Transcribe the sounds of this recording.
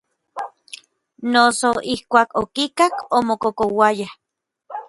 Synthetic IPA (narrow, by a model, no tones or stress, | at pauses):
nosoihkʷaːkokikakomokokowajah